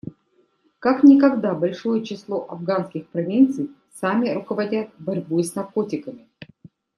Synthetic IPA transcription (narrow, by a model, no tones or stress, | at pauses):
kaknʲɪkɐɡd̪abɐlʲʂo̞jət͡ɕɪslˠo̞ʔɐvɡanskʲɪxpɾɐvʲint̪sɨj | samʲɪɾʊkəvɐdʲat̪̚bɐɾʲbusnɐrko̞tʲɪkəmʲɪ